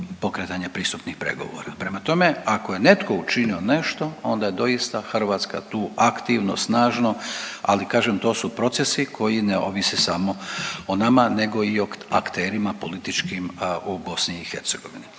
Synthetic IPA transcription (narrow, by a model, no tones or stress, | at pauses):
po̞kɾet̪aɲepɾiːst̪upnixpɾe̞̰ɡo̞̰ʋo̰ːɾapɾe̞mat̪o̞me̞akoje̞ne̞t̪ko̞ut͡ʃinio̞ne̞ʃt̪o̞o̞nd̪aje̞d̪o̞jist̪axr̩ʋaːt̪ska̰t̪uːakt̪iʋno̰snaːʒno̞a̰likaːʒemt̪oːsupɾo̞t̪se̞sikʰo̞jineo̰ʋisesamo̞onamane̞ɡo̞ioakt̪e̞ːɾimapo̞lit̪it͡ʃkimubo̞sniːxe̞ɾt̪se̞ɡo̞ʋini